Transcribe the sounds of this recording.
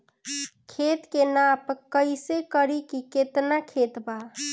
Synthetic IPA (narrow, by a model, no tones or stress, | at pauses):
kʰet̪kenapkəjsekəɾikiket̪nakʰet̪ba